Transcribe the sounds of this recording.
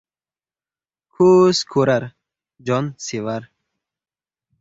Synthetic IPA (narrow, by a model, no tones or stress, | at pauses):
kʰuskʰoɾaɾ | d͡ʒɔnsiwaɾ